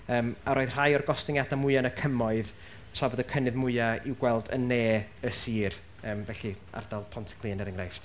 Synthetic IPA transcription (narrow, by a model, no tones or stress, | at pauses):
əːmaɾʔoːɨð̥r̥ajɔrɡɔstɪŋjadamʊɨanəkʰəmɔɨð | tʰavɔdəkʰənɨðmʊɨaiwɡwɛlˠdə̰nːeːəsiːr | əːmvɛɬia̰rd̥alˠpʰɔntʰɪ̥kʰlˠiənɛɾəŋɡrajft